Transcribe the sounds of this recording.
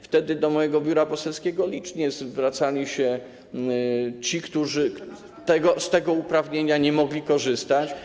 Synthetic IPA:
ft̪ɛd̪ɘd̪ɔmɔjɛɡɔbʲjuɾapɔsɛlskʲeɡɔlʲit͡ʂɲɛzvɾat̪salʲiɕɛ | t͡ɕikt̪uʐɘ | t̪ɛɡɔst̪ɛɡɔupɾavɲeɲaɲɛmɔɡlʲikɔʐɘst̪at͡ɕ

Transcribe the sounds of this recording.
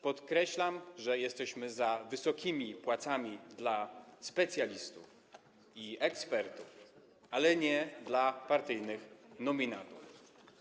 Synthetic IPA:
pɔt̪kɾɛɕlamʐɛjɛst̪ɛɕmɘzavɘsɔkʲimʲipwat̪samʲid̪laspɛt̪sʲjalʲist̪ṵf | iɛkspɛɾt̪uf | alɛɲɛd̪lapaɾt̪ɘjnɘxnɔmʲinat̪ṵf

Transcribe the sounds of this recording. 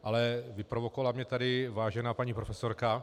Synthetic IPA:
ʔalɛvɪpɾovokovalamɲɛt̪adɪvaːʒɛnaːpaɲiːpɾofɛsoɾka

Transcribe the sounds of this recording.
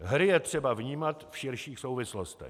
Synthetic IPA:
ɦɾɪjɛt̪r̝̥ɛbavɲiːmat̪fʃɪɾʃiːxsowvɪslost̪ɛ̰

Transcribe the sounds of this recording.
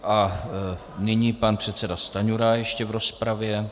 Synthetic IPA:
ʔa | nɪɲiːpanpr̝̥ɛt̪sɛdast̪aɲuɾajɛʃcɛvɾo̞spɾavjɛ

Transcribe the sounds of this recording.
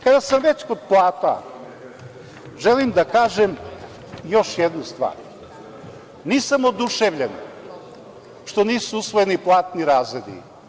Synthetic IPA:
kad̪asamʋet͡ɕkod̪̚plˠaːt̪a̰ | ʒelimd̪akaːʒem | jo̞ʃjed̪nust̪ʋa̰ːɾ | niːsamod̪uʃeʋʎen | ʃt̪o̞niːsuusʋojeniplˠaːt̪niɾaːzɾed̪ḭ

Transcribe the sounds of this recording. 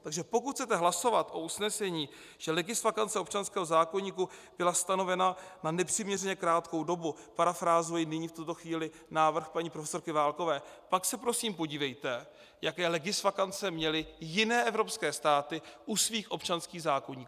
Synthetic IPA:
t̪aɡʒɛpo̞kut̪xt͡sɛt̪ɛɦlaso̞vat̪ʔo̞usnɛsɛɲiː | ʒ̥ɛlɛɡɪsfakant͡sɛo̞pt͡ʃanskɛːɦozaːko̞ɲiːkub̥ɪlast̪ano̞vɛnananɛpr̝̥ɪmɲɛrɛɲɛkɾaːt̪ko̞wdo̞bupaɾafɾaːzuɪnɪɲiːft̪ut̪o̞xviːlɪ | naːvr̩xpaɲiːpɾofɛ̥so̞ɾkɪvaːlko̞vɛːpaksɛpɾo̞siːmpo̞ɟiːvɛjt̪ɛ | jakɛːlɛɡɪsfakant͡sɛmɲɛlɪjɪnɛːʔɛvɾo̞pskɛːst̪aːt̪ɪʔusviːxʔo̞pt͡ʃanskiːɣzaːkoɲiːkuː

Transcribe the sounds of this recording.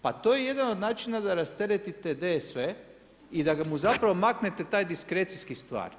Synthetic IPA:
pat̪o̞jeje̞d̪ano̞d̪naːt͡ʃinad̪aɾast̪eɾet̪it̪ed̪esʋe | id̪aɡamuzapɾaʋo̞makne̞t̪e̞t̪aːjd̪iskɾet̪siskist̪ʋa̰ːɾ

